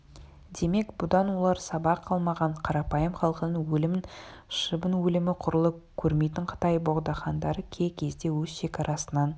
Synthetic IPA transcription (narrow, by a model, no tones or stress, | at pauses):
d̪e̞me̞kb̥ʊd̪ɑnwo̞lˠɑɾsɑbɑqʰːɑlˠmɑʁɑɴqʰɑɾɑpɑjəmχɑlˠqənənwɵlɪmɪnʃəbənwɵlɪmɪqʰʊɾəlˠəkʲʰɵɾme̞jt̪ɪɴqʰə̥t̪ɑjbo̞ʁd̪ɑχɑnd̪ɑɾəkʲʰe̞kʲʰe̞zd̪e̞wɵzʃe̞kʲɑɾʔɑsənɑn